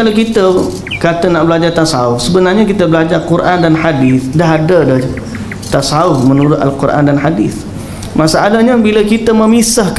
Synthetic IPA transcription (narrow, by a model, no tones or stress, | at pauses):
alakit̪ə | kat̪ənaʔbəlad͡ʒat̪asauhsəbənarɲãkit̪əbəlad͡ʒarkuɾʔandanħadiθdaɦadadah | t̪asauhmənuɾʊt̪a̰lkuɾʔa̰ndanħadiθ | masaʔalaɦɲabiləkit̪əməmisahk